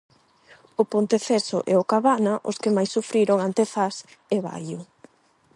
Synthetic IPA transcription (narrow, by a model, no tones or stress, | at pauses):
ʊpont̪efeso̰ʔɛ̰okaβanaʔo̰skɪmajsːufɾiɾoŋant̪eθas | eβa̰jʊ